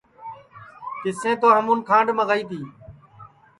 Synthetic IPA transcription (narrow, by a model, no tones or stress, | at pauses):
kɪsẽːt̪oːɦəmuːnkʰãːɳɖməɣəːiːt̪iː